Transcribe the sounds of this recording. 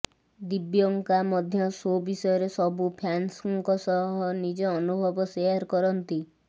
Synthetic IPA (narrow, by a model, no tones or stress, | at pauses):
d̪ibjɔŋkamɔd̪ʱjɔsobisɔjɔɾesɔbupʰjansɔŋkɔsɔɦɔnid͡ʒɔːnubʱɔbɔseaɾkɔɾɔnt̪i